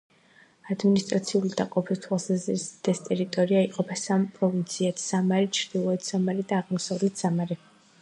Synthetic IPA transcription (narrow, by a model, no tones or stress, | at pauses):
ad̪minist̪ʼɾat̪sʰiulid̪aqʼɔpʰist̪ʰwalˠsazɾisd̪̥ɛst̪ʼɛɾit̪ʼɔɾiaiqʼɔpʰasampʼɾɔvint̪sʰiat̪ʰsamaɾit͡ʃʰɾd̪̥ilˠɔɛt̪ʰz̥amaɾid̪aːʁmɔsavlɛt̪ʰz̥amaɾi